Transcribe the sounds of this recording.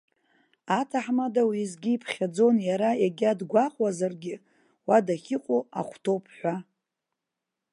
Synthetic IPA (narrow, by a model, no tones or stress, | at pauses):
atʰaħmadawizɡʲiːpʰχʲad͡zo̞njaɾajaɡʲadɡʷaqʼwazarɡʲɪ | wadaχʲɪqʷʼoa̰χʷtʰo̞wpʰħʷᶣa